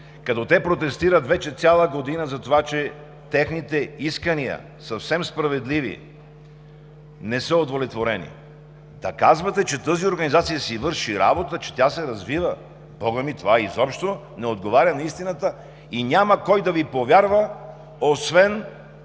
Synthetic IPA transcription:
kɐt̪ɔt̪ɛpɾot̪ɛst̪iɾət̪vɛt͡ʃɛt̪sʲjalˠəɡod̪inəzɐt̪ovat͡ʃɛ | t̪ɛxnit̪ɛiskəniə̰ | sɐfsɛmspɾɐvɛd̪livḭ | nɛsəod̪volɛt̪voɾɛnḭ | d̪ɐkazvɐt̪ɛt͡ʃɛt̪ɤzioɾɡɐnizat̪sijəsivɤɾʃiɾa̰bot̪ət͡ʃɛ̥t̪ʲasɛɾɐzvivə | bɔɡəmit̪ovaizɔpʃt̪o | nɛod̪ɡovaɾʲɐnɐist̪inət̪ə | inʲaməkɔjd̪ɐvipovʲjaɾvə | osvɛn

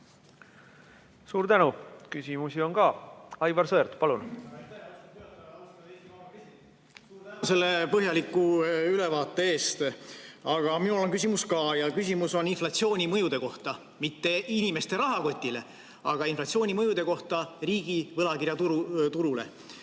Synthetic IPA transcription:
suːɾt̪ænukysimusio̞nkɑːɑjvɑɾsɤːɾt̪pɑlun | se̞lːepɤɦjɑlikːˑuylevɑːt̪ːˑe̞e̞ːst̪ɑɡ̥ɑminulo̞nkys̬ʲimuskɑːjɑkys̬ʲimuso̞ninflɑt̪sio̞ːnʲimɤjud̪̥e̞ko̞ht̪ɑ | mit̪ːe̞inime̞st̪e̞ɾɑɦɑko̞t̪ʲːˑile̞̰ | ɑɡ̥ɑinflɑt̪sio̞ːnʲimɤjud̪̥e̞ko̞ht̪ɑriːɡ̥ivɤlɑkirjɑt̪ut̪uɾule̞̰

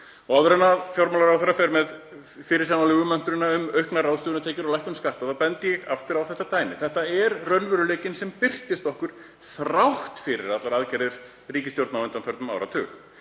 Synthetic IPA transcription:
ɔɣawðɾɛnːafjoɾmalaɾawθɛɾːafɛɾmɛð | fɪɾɪɾ̥sanalʏːɣðʏmɛn̥t̪ʏɾɪnːaʏmœɥhknaraðst̪ʏːðɪnat̪ʰeːjcɪɾɔlajhkʏnskaht̪aθaðpɛnt̪ɪjɛɣaft̪ʏɾawθɛht̪at̪aːjnɪθɛht̪aɛɾrœnvʏɾʏleːjcɪnsɛmpɪr̥t̪ɪst̪ɔhkʏɾ̥ | θɾawht̪fɪɾɪ̰ɾat̪laɾaðcɛɾðɪɾ̥ | riːcɪst̪jowɾt̪navʏnt̪amfœɾt̪ʏma̰wɾa̰t̪ʰʏːx

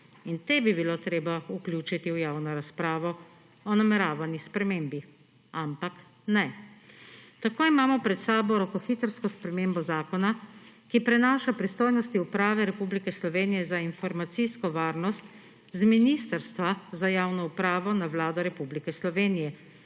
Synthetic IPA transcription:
int̪ebibiloːt̪ɾeːbauklʲjuːt͡ʃit̪iwjaːwnɔɾaspɾaːʋɔ | ɔnamɛɾaːʋanjispɾɛmeːmbi | ampak | nɛ | t̪akoːimaːmɔpɾɛt̪saːbɔɾɔkɔxit̪əɾskɔspɾɛmeːmbɔzaːkɔnakipɾɛnaːʃapɾist̪oːjnɔst̪iupɾaːʋɛɾɛpublikɛslɔʋeːnijɛzainfɔɾmat̪siskɔʋaːɾnɔst̪ | zminiːst̪əɾst̪ʋazajaːwnɔupɾaːʋɔnaʋlaːd̪ɔɾɛpublikɛslɔʋeːnijɛ

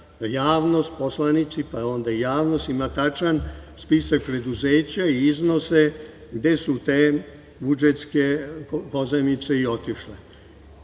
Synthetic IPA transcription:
jaːʋno̞st̪̚po̞slanit̪sipao̞nd̪aijaːʋno̞st̪imat̪at͡ʃanspisak̚pɾe̞d̪uzeːt͡ɕaiizno̞se̞ | ɡd̪e̞sut̪eː | bud͡ʒet̪skepo̞zemit̪se̞io̞t̪iʃle

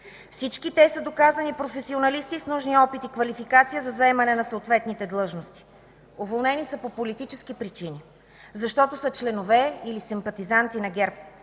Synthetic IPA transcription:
fsit͡ʃkit̪ɛsəd̪okazɐnipɾofɛsionɐlist̪isnuʒniɔpit̪ikvɐlifikat̪sijəzɐzɐɛmɐnɛnɐsəot̪vɛt̪nit̪ɛd̪lˠɤʒnost̪i̥ | ovolˠnɛnisəpopolit̪it͡ʃɛsk̟ipɾit͡ʃini | zɐʃt̪ɔt̪osət͡ʃlɛnovɛilisimpɐt̪izant̪inɐɡɛɾp̚

